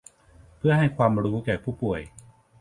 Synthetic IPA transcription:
pʰɯ˥˩əɦa˥˩jkʰwaː˧mɾuː˦˥kɛː˨˩pʰuː˥˩pu˨˩əj

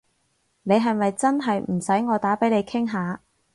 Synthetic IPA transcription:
ne˨˧jɦɐ˨jmɐ˨jt͡sɐ˥nɦɐ˨jm̩˨˩sɐ˨˥jŋɔː˨˧t̪aː˨˥pe˨˥jle˨˧jkʰɪ˥ŋɦaː˨˧

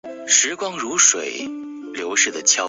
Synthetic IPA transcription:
ʂɻ̩˧˥kwɑ˥ŋɻu˧˥ʂwe˨˩˦ɪ | ljo˧˥ʊʂɻ̩˥˩d̪ə˩t͡ɕʰjɑ˥

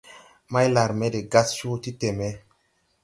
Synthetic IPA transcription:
ma˦jla˨ɾme˦de˨ɡa˦st͡ʃu˦ti˦te˨me˦

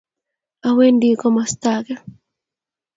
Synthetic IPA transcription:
a˨we˦ndi˦kɔ˦ma˨st̪akɛ˦

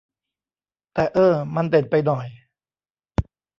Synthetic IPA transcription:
t̪ɛː˨˩ʔɤː˧˩ma˧nte˨˩npa˧jnɔ˨˩j

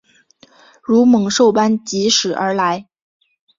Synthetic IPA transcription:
ɻu˧˥mɤ˨˥˦ŋʂo˥˩ʊpa˥nt͡ɕi˧˥ʂɻ̩˨˩ʔə˞˧˥la˧˥ɪ

